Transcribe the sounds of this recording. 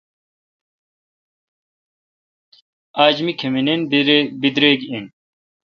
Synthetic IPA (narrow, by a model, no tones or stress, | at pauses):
aːd͡ʑmikʰemininbid̪ɾeːɡiin